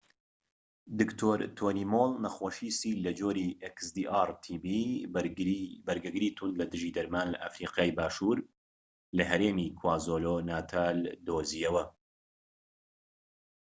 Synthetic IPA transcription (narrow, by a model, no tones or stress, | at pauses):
d̪ɨkt̪ʰoːɾt̪ʰoːniːmoːlnɐxoːʃiːsiːlɐd͡ʒoːɾiːʔeksd̪iːʔaːɾt̪ʰiːbi | bɐɾɡɐɡɨɾiːt̪ʰund̪lɐd̪ɨʒiːd̪ɐɾmaːnlɐʔa̰fɾiːqaːjbaːʃuːɾ | lɐɦɐɾeːmiːkʰwaːzoloːnaːt̪ʰaːld̪oːzijɐwɐ